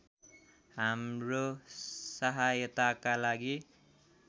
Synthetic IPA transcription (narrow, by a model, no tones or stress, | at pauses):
ɦamrosʌɦajʌt̪akalaɡi